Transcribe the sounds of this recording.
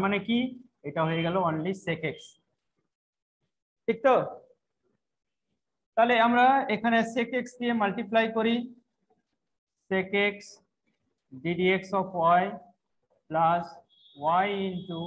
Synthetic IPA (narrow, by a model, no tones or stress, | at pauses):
maneki | ejʈaɦojeɡɛloonlisekeks | ʈʰik̚t̪ɔ | t̪aleamɾaekʰanesekeksdijemalʈiplajkoɾi | sekeks | ɖiɖieksɔpʰwaj | plas | wajinʈu